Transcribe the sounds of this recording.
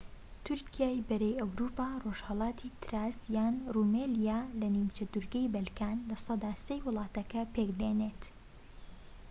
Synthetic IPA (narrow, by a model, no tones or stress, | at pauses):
t̪ʰʊɾkijaːjbɐɾejɐwɾuːpaːroʒ̥hɐlˠɑːt̪ʰiːt̪ʰɾaːsjaːnrumelijalɐnimt͡ʃɐd̪uɾɡɛjbɐlkaːnlɐsɐd̪aːst̪ɐjwɨlˠɑːt̪ɐkɐpʰekd̪eːneːt̪